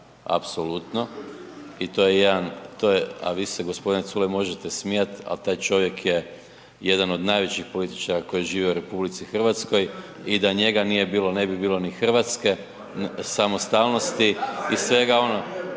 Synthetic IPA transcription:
a̰pso̞lut̪no̞ | it̪o̞je̞jed̪ant̪ojea̰ʋiːseɡospo̞d̪inet̪sulemo̞ʒet̪esmijat̪a̰lt̪aːjt͡ʃo̞ʋje̞kje̞ | je̞d̪ano̞d̪najʋet͡ɕixpo̞lit̪i̥t͡ʃaɾako̞jiʒiːʋioɾe̞publit̪sixr̩ʋat̪sko̞j | id̪aɲe̞ɡanije̞biːlone̞bibiːlˠo̞nixr̩ʋat̪ske̞ | samost̪alˠno̞st̪iisʋe̞ɡao̞no

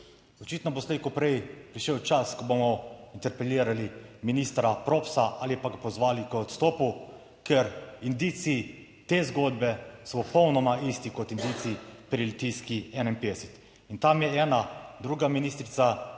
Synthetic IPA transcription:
ɔt͡ʃiːt̪nɔboslekupɾɛjpɾiʃɛwt͡ʃaskɔbomɔint̪ɛɾpɛliːɾaliminist̪ɾapɾoːpsaʔalipaɡapɔzʋaːlikɔt̪st̪oːpu | kɛɾind̪iːt̪siː | t̪eːzɡod̪bɛsɔpɔpɔwnɔmaist̪ikɔt̪ind̪iːt̪siipɾilt̪iskiɛnainped̪ɛsɛt̪ | int̪amjɛɛːnad̪ɾuːɡaminist̪ɾit̪sa

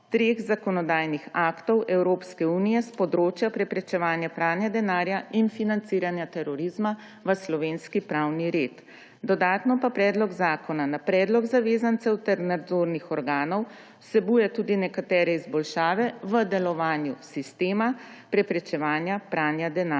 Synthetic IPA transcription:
t̪ɾeːɣzakɔnɔd̪aːjnixaːkt̪ɔwɛwɾoːpskɛuːnijɛspɔd̪ɾoːt͡ʃjapɾɛpɾɛt͡ʃɛʋaːnjapɾaːnjad̪ɛnaːɾjainfinant̪siːɾanjat̪ɛɾɔɾizma | ʋəslɔʋeːnskipɾawniɾeːt̪ | d̪ɔd̪aːt̪nɔpapɾɛːd̪lɔɡzaːkɔnanapɾɛːd̪lɔɡzaʋeːzant̪sɛwt̪ɛɾnad̪zoːɾnixɔɾɡaːnɔw | sɛbujɛt̪uːd̪inɛkat̪ɛːɾɛizbɔlʃaːʋɛʋəd̪ɛlɔʋaːnjusist̪eːma | pɾɛpɾɛt͡ʃɛʋaːnjapɾaːnjad̪ɛna

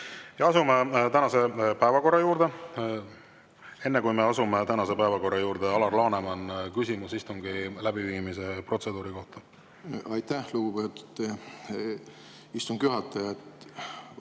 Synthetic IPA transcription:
jɑɑsumet̪ænɑse̞pæevɑko̞rːɑjuːɾd̪e̞ | e̞nːe̞kujme̞ɑsumet̪ænɑse̞pæevɑko̞rːɑjuːɾd̪eɑlɑrlɑːnemɑnkysʲimusist̪umɡ̥ilæbiviːmise̞pro̞t̪se̞d̪uːɾiko̞ht̪ɑ̥ | ɑjt̪æhluɡ̥ubet̪u̥t̪ːe | ist̪umkjyɦɑt̪ːˑɑjɑt̪

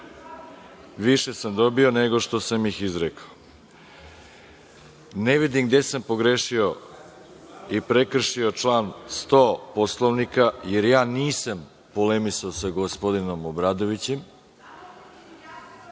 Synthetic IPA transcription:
ʋiʃe̞samd̪o̞bio̞ne̞ɡo̞ʃt̪o̞samixizɾekao | neʋid̪imɡd̪e̞sampo̞ɡɾeʃio | ipɾekr̩ʃio̞t͡ʃlˠaːnst̪oːposlˠoʋnikaje̞ɾjaːniːsam | polemisaosaɡospo̞d̪ino̞mobɾaːd̪o̞ʋit͡ɕem

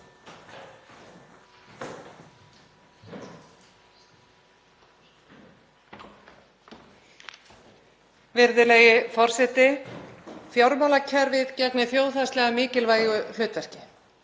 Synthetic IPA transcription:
vɪɾðɪlɛjɪfɔr̥sɛht̪ɪ | θjɔɾmawlacʰɛɾvɪðcɛknɪθjoːwθast̪lɛɣamɪːcɪlvaːjʏl̥ʏːt̪vɛr̥cɪ

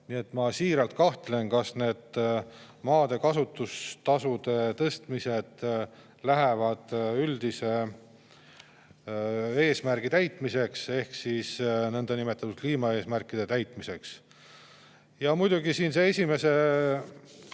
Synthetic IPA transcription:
nie̞t̪ːˑmɑsiːɾɑlt̪̚kɑht̪le̞nkɑsne̞ːd̪̥ | mɑːd̪e̞kɑsut̪ːˑust̪ɑsud̪e̞t̪ɤst̪mise̞d̪̥ | læɦevɑd̪̥yld̪̥ise̞ | e̞ːsmæɾɡ̥it̪æjt̪ˑmise̞kse̞hksisnɤnd̪ɑnimet̪ːˑɑt̪ud̪̥̚kliːmɑe̞ːsmærkˑid̪̥e̞t̪æjt̪ˑmise̞ks | jɑmujd̪̥uɡisiːnseesʲime̞se̞

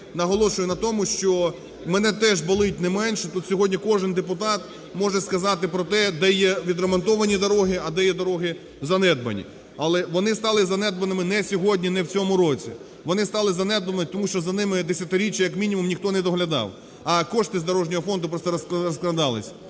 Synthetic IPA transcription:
nɐɦɔlˠɔʃʊjʊnɐt̪ɔmʊʃt͡ʃɔ | mɛnɛt̪ɛʒbɐlˠɪt̚ʲnɛmɛnʲʃɛt̪ut̪sʲɔɦɔdʲnʲikɔʒɪnd̪epʊt̪ɑt̪̚ | mɔʒɛskɐzɑt̪ɪpɾɔt̪ɛd̪ɛjɛʋʲid̪remɔnt̪ɔʋɐnʲid̪ɔɾɔɦɪɐd̪ɛjɛd̪ɔɾɔɦɪ | zɐnɛd̪bɐ̰nʲḭ | ɐlˠɛʋɔnɪst̪ɑlˠɪzɐnɛd̪bɐnɪmɪnɛsʲɔɦɔdʲnʲinɛwt͡sʲɔmʊɾɔt͡sʲḭ | ʋɔnɪst̪ɑlˠɪzɐnɛd̪ʋɐnɔt̪ɔmuʃt͡ʃɔzɐnɪmɪd̪esʲjɐt̪ɪɾʲit͡ʃːjɐjɐkmʲinʲimʊmnʲixt̪ɔnɛd̪ɔɦlʲɐd̪ɑ̰w | ɐkɔʃt̪ɪzd̪ɔɾɔʒnʲɔɦɔfɔnd̪ʊpɾɔst̪ɛɾɐskɾɔsklˠɐd̪ɑlˠɪ̰sʲ

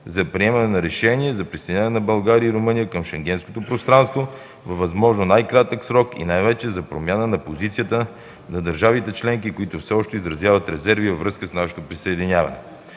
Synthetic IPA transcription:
zɐpɾiɛmɐnɛnɐɾɛʃɛnʲiɛzɐpɾisəjd̪ʲinʲanɛnɐbɐlˠɡaɾiəiɾomɤnijəkəmʃɛŋɡ̟ɛnsko̥t̪opɾost̪ɾanst̪vo | vɐvːɐzmɔʒnonajkɾat̪əksɾɔkḭnajvɛt͡ʃɛzɐpɾomʲjanənɐpozit̪sijət̪ə | nɐd̪əɾʒavit̪ɛt͡ʃlɛŋk̬ikoit̪ʊfsɛɔʃt̪ɛizɾɐzjavət̪ɾɛzɛɾvivɐvɾɤskəsnaʃo̥t̪opɾisəɛd̪inʲjavɐ̰nɛ̰

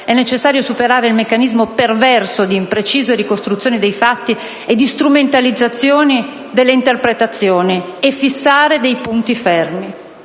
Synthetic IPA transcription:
ɛnːet͡ʃesːaːɾjosupeɾaːɾeilmekːanizmopervɛrsod̪iːmpɾet͡ʃiːzerikost̪ɾut̪sːjoːnid̪ejfat̪ːi | ed̪ist̪ɾument̪alid̪zːat̪sːjoːni | d̪elːeint̪erpɾet̪at̪sːjoːniefːisːaːɾed̪ejpunt̪ifɛrmi

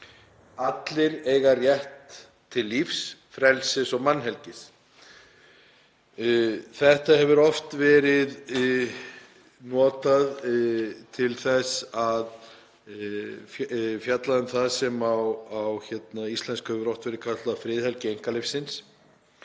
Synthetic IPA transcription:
at̪lɪɾeːjɣarjɛht̪ʰː | ɪlːifsfɾɛlsɪsɔɣmanːɦɛlcɪs | θɛht̪ahɛvʏɾɔft̪vɛːɾɪð | nɔːt̪að | t̪ʰɪlθɛsað | ffjat̪laðʏnθaðsɛmawawçɛt̪naist̪lɛnskœvɾɔht̪vɛɾɪðkʰat̪t̪afɾɪːðhɛlcɪejŋ̥kalɪfsːɪns

